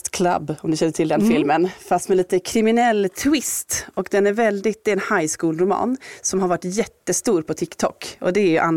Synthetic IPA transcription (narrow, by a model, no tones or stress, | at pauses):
t̪kʰla̰bːɔmd̪ɵʃçɛnːət̪ʰɪld̪ɛnfɪlmənfast̪mɛliːt̪əkʰɾɪmɪnɛlːt̪ʰɪst̪ɔkd̪ɛnæɾvɛld̪ɪt̪̚ːɪɛːnhajskuːlɾʊmɑ̰ːnsɔmɦaɾvaʈːjɛt̪ːəst̪uːɾpʰɔt̪ʰɪkt̪ʰɔ̰kɔ̰d̪ɛːɾjɵʔan